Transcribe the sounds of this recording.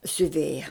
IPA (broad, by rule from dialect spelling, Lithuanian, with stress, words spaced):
sʲʊˈʋʲeːjɛ